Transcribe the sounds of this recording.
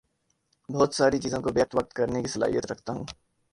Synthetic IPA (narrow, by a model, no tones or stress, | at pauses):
bɔːt̪saːɾit͡ʃiːzõkobjək̚t̪ʋək̚t̪kɐɾnekisɐla̰ːɦḭjət̪ɾɐkʰt̪aɦũː